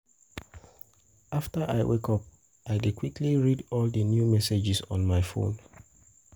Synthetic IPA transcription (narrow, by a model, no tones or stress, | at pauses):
aftəʔaɪwʔekɔp̚ | ʔaɪdid̚kʰwikʰliɹidɔldənjumɛsed͡ʒisɔ̰̃nmaɪfõ̰n